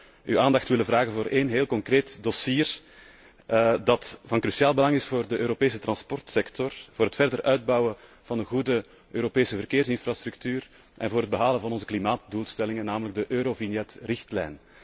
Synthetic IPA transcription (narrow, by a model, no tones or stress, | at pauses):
yaːndɑxtʋɪləvraːɣənvoːɾʔeːnɦeːlˠkɔŋkreːtdosiːr | dɑtvɑnkɾysiaːlˠbəlɑŋɪsfoːrdəʔøːɾopeːsətrɑnspɔrtsɛktɔrvoːɾɦətfɛrdərʔœɥd̚bɑwə | v̥ɑndəɣudə | øːɾopeːsəvərkeːrsɪnfrast̪ɾʉktyːr | ʔɛ̰nvoːɾɦəd̚bəɦaːlənvɑnɔnzəklimaːt̚duːlˠstɛlɪŋənːaːmələɡ̚dəʔøːɾovinjɛtrɪxtlɛ̰jn